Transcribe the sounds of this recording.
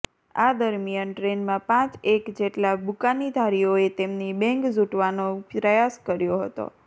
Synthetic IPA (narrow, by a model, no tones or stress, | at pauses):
ad̪əɾmijənʈɾenmãpãt͡ʃekd͡ʒeʈlabukanid̪ʱaɾijoet̪emnibɛ̃ŋkzuʈʋanoɾəjaskəɾjoɦə̰t̪o̰